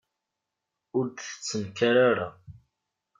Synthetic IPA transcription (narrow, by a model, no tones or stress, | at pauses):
ʊɾd̪t͡sːəmkaɾaɾa